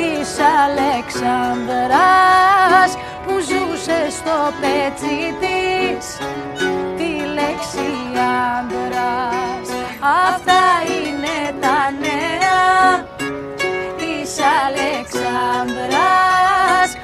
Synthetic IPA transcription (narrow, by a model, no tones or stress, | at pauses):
isaleksand̪əɾa | s | kuzusest̪opet͡sit̪is | t̪ileksiand̪ɾas | aft̪ainet̪anea | isaleksand̪ɾa | s